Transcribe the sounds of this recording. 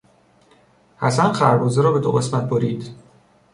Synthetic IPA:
hæsænxæɾbɒːzeɾɒːbe̞d̪o̰ɣe̞smæt̪̚boɾiːd̪̥

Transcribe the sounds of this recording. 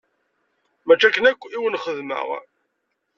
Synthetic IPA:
mæt͡ʃːækːənækʷːiwənχəðmə̰ʁ

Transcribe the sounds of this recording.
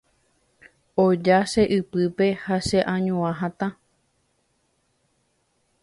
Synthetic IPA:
od͡ʒaʃe̞ʔɨpɨpe̞haʃeʔãɲũãɦãt̪ã

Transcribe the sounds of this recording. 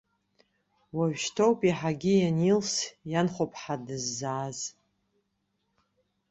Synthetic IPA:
waɥᶣʃtʰowpʼiħaɡʲɪjanilsjanχʷopʰʼħadɨzːaːz

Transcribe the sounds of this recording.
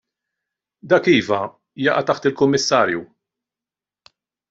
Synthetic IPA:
d̪ɐkiːvɐ | jɐʔɐt̪ɐħt̪ɪlkʊmːɪsːɐːɾju

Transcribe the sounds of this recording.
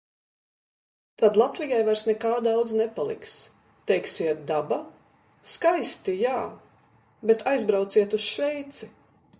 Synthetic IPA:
t̪ad̪lˠat̪vijajvajɾsnɛkaːd̪awd̪znɛpalˠḭks | t̪ɛjksiɛt̪̚d̪aba | skajst̪ijaː | bet̪ʰajzbɾawt̪siɛt̪usʃvɛjt̪si

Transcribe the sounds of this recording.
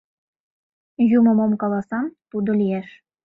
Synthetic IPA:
jumɤ̆momkɑlˠɑsɑnt̪ud̪ɤ̆lʲijeʃ

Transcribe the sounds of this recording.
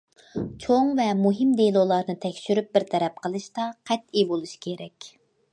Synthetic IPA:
t͡ʃʰoŋvɛmuɦɨmd̪elˠolˠɑɾnɨt̪ʰɛkʲʃyɾyp̚bɪɾt̪ʰɛɾɛp̚qʰəlˠɨʃt̪ɑqʰɛt̪ibolˠuʃkʲʰeɾɛkʲ

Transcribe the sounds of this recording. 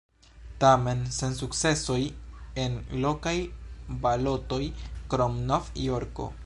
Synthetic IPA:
tame̞nse̞nsuk̚t͡se̞so̞je̞nlo̞kajbalo̞to̞jkɾomnofjoɾko̰

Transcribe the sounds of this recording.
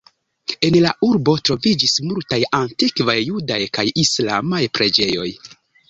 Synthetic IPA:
e̞nlaʔuɾbo̞tɾo̞vid͡ʒismultajantikvajːudajkajislamajpɾe̞d͡ʒe̞jo̞̰j

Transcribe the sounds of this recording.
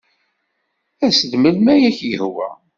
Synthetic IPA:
æsəd̪məlmæjæçjəhwæ̰

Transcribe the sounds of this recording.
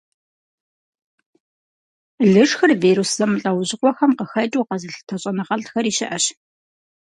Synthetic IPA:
ɮɨʂxɨrveːɾusz̥ɐmɨɬʼɐwʑɪqʷɔxɐmqəxɐt͡ʃʼuːqɐzɨɬtʰɐɕʼɐnɨʁɐɮtxɐɾiːʃɪʔɐɕ

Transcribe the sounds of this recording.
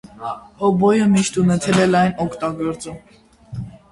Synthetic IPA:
hɔbɔjəmiʃt̪unɛt̪ʰɛlɛlɑjnɔkʰt̪ɑɡɔɾt͡sum

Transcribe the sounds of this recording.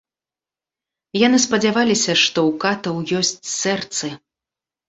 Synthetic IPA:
janɨspɐd͡zʲavalʲisʲɐʂt̪ɔwkat̪ɐwjɔsʲt͡sʲsɛrt̪sɨ

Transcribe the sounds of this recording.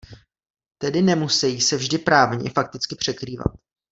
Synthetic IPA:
t̪ɛdɪnɛmusɛjiːsɛvʒdɪpɾaːvɲɛ̰fak̚t̪ɪt͡skɪpr̥ɛkɾiːva̰t̪̚

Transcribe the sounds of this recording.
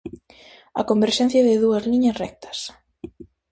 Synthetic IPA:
ɐ̰kombeɾʃɛnθjɐðɪðuɐzliɲɐsrɛk̚t̪ʰɐ̥s

